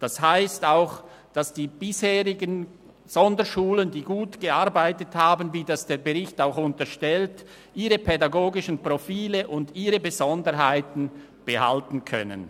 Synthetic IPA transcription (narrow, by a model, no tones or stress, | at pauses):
d̥ashaɪstaʊx | d̥asd̥iːb̥ɪsheːʁɪɡən | z̥ɔndəʃuːləndiːɡuːtɡ̥əaɾbaɪtəthaːbənviːdasd̥eːɐbəʁɪçtaʊxʊntəʃtɛlt | ʔiːʁəpʰɛdaɡoːɡɪʃn̩pʁ̥ofiːləʔʊndiːʁəbəzɔndəɾɦaɪtn̩ | b̥əha̰ltn̩kʰœ̰nə̰n